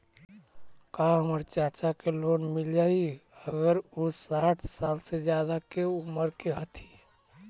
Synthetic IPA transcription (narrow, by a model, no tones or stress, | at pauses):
kaɦəməɾt͡ʃat͡ʃakelonmild͡ʒaiəɡəɾusaʈʰsalsed͡ʒjad̪akeuməɾkeɦət̪ʰi̥